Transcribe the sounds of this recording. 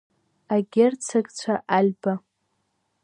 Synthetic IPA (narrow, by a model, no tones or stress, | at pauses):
aɡʲert͡sʰaɡt͡ɕʷʰaʔalʲba